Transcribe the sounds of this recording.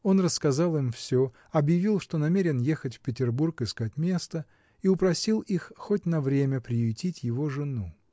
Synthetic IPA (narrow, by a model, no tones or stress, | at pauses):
o̞nrəskɐzɑlˠɨmfsʲo | ɐbjɪvʲilˠʂt̪o̞nɐmʲeɾʲɪnjexətʲfʲpʲɪtʲɪrburkɪskatʲmʲe̞st̪ə | iʊpɾɐsʲilˠixːotʲnɐvɾʲemʲəpɾʲɪjʊjtʲitʲjɪvo̞ʐɨnu